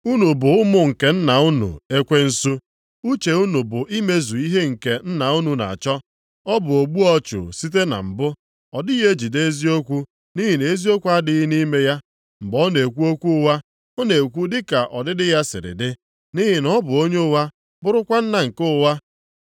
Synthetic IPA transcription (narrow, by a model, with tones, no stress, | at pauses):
u˦nu˨bʊ˨ʊ˦mʊ˦ŋ̩˨ke˨n̩˦na˨u˦nṵ˨e˦kʷe˦n̩˦su˦ | u˦t͡ʃe˨u˦nu˨bʊ˨ʔi˦me˦zu˨i˦ɦe˦ŋ̩˨ke˨n̩˦na˨u˦nu˨na̰˨t͡ʃɔ˦ | ɔ˦bʊ˨o˨ɡ͡bu˦ɔ˦t͡ʃʊ̰˨si˦t̬e˦na̰˨m̩˨bʊ˦ | ɔ˨dɪ˦je˦d͡ʒi˨de˦zi˦o˦kʷu˦ | ni˦ɦɪ˨ne˨˦zi˦o˦kʷu˦a˦dɪ˦ni˦me˦ja˦ | m̩˨bɔ˦ne˨kʷu˦o˦kʷu˦wa˦ | o˦ne˨kʷu˦dɪ˦ka˨ʔɔ˨dɪ˦dɪ˦ja˦sɪ̰˨ɾɪ̰˨dɪ˦ | ni˦ɦɪ˨nɔ˦bʊ˨o˦ɲe˦ʊ˦wa˦ | bʊ˦ɾʊ˦kʷa˦n̩˦na˨ŋ̩˨ko˦ʊ˦wa˦